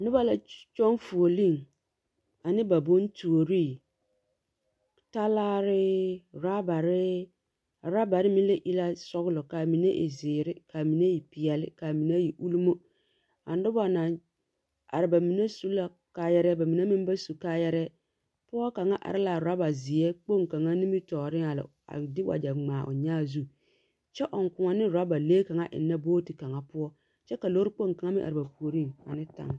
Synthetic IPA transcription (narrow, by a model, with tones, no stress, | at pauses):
nɪ˦ba˦la˨t͡ʃɔ˦n˦fu˨o˨li˦˨ŋ | a˨nɪ˦ba˨bo˦n˦tu˨o˨ɾi˦˨ | ta˦laː˦ɾɪ˦ɾa˦ba˨ɾɪ˦ | a˨ɾa˦ba˨ɾɪ˦mi˦le˦ʔi˦la˦sɔ˦ɣʊ˦lɔ˨ka˨mi˨ne˦ʔḛ˨zɪː˨ɾɪ˦kaː˨mi˨ne˦ji˨pi˨jɛ˨lɪ̰˦kaː˨mi˨na˦ji˨ʔu˦lu˦mo˦ | a̰˨˦dɪ˦ba˨na˨ | a̰˨ɾɪ˨ba˨mi˨ne˦su˦la˦ | ka˦jɛ˦ɾɛ˦ba˨mi˨ne˦mɪ˦m˦ba˦su˨kaː˦jɛ˦ɾɛ˦ | pʊ˦ɔ˦ka˨ŋa˦ʔa̰˨ɾɪ˦la˨ɾʊ˨ɾa˦ba˨zɪ˨jɛ˦k͡po˦˨ŋka˨ŋa˦nɪ˦mɪ˦tɔː˨ɾɪ˦a˨lɪ̰˨ | a̰˨dɪ˦wʔa̰˨d͡ʒa˨ŋ͡maː˨ʔʊ̰˨ɲaː˦zu˦ | t͡ʃɛ˦ʔɔ˨ŋ˨kʊ˨ŋɔ˦nɪ˦ɾʊ˨ɾa˦ba˨leː˦ka˨ŋa˦ʔɪ̰˨nːa˦boː˦ti˨ka˨ŋa˦pʊ˦ɔ˦ | t͡ʃɛ˦ka˨lo˦ɾɪ˦k͡po˦˨ŋka˨ŋa˦mɪ̃˦ʔa̰˨ɾɪ˨ba˨pu˨o˨ɾi˦ŋa̰˨nɪ˦ta̰˨ŋ˦